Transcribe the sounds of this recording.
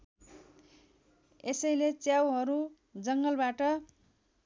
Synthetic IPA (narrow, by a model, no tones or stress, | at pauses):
esʌjlet͡sjawɦʌɾu | d͡zʌŋɡʌlbaʈʌ